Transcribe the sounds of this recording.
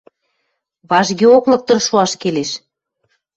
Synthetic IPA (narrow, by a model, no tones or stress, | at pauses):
βɑʒɣeoklɤ̆k̚t̪ɤ̆rʃuɑʃkeleʃ